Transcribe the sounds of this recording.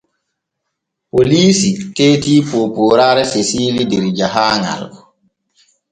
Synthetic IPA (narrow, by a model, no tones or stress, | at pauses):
poliːsiteːtiːpoːpoːɾaːɾɛsesiːlideɾid͡ʒaɦaːŋa̰l